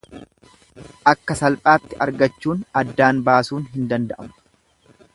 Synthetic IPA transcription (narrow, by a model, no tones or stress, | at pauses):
ʔɐkːɐsɐlpʼaːt̪ːɪʔɐɾɡɐt͡ʃːuːnɐd̪ːaːnbaːsuːnɦɪnd̪ɐnd̪ɐʔɐmʊ̥